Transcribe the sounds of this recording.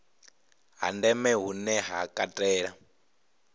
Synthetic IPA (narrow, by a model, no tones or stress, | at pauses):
ɦa̰ndɛmɛɦunɛɦakʼatʼɛːɺa